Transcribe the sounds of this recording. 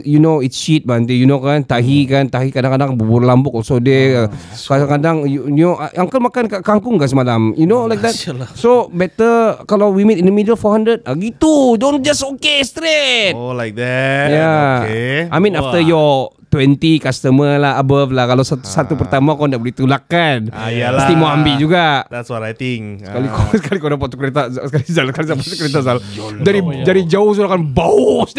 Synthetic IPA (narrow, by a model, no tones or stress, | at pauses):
junoitsʃit̪̚bəant̪ijunokant̪aɦikant̪aɦikadãŋkadaŋbubʊrlambʊk̚ɔsodea | kadaŋkadaŋjujunoʔaaŋkalmakankaʔkaŋkʊŋkasəmalamjunolajk̚d̪ɛt̚sobɛt̪əkalawwimitĩndəmidəlfɔhãndɾəd̚aɡit̪udõn̚d͡ʒasokest̪ɾetlajk̚ɛjaeʔamĩnaft̪əjɔt̪wɛnt̪ikast̪əməlaɦabaflahkalawsat̪usat̪upərt̪amakɔndaʔbəlit̪ulakanjasimaambid͡ʒuɡaʔd̪ɛtsɾajt̪ɪŋssəkalikɔsəkalikodap̬at̪̚u̥kəɾet̪askalizalskalisapatt̪ukəɾet̪̬asaldaɾidaɾid͡ʒaʊhs̬uɾakanbaus